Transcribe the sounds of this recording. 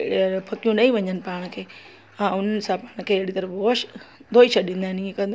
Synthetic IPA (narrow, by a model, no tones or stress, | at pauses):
bʰʱɐkijũnɐĩʋɐ̃ɲənɪ̆paːɽ̃ə̆kʰeː | ãʊn̤ənɪ̆sãpaːɽ̃kʰeːɽit̪ɐɾboːʃd̪ʱoːit͡ʃʰɐɗĩnd̪aːɪnĩẽkɐ̃nd̪